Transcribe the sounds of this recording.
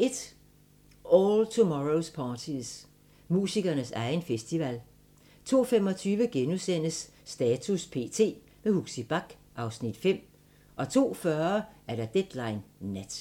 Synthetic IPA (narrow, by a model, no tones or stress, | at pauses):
ʔe̝d̥ | ɒːlt͡sʰumɒʁospʰɑ̈ːt͡sʰiðˠs | mṵːsiɡ̥ɐnəsɑ̈ɪn̩fesd̥iʋæl | t͡sʰo̝̰ːfemɒ̽t͡sʰyːʋəɡ̥enuðˠsen̰əsːd̥ɛːt͡sʰuspʰe̝̰ːt͡sʰe̝̰ː | mehuɡ̥sib̥ɑ̈ɡ̥ | ʔɑ̈ʊsnid̥fem̰ | ʔɒ̽t͡sʰo̝̰ːfɶɐɐʔæɐɾɑ̈d̥ed̥lɑ̈ɪnːæd̥